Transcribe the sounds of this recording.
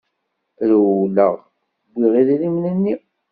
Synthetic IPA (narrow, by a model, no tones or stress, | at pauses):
ɾwlə̰ʁ | bʷːiʁiðiðimnənːi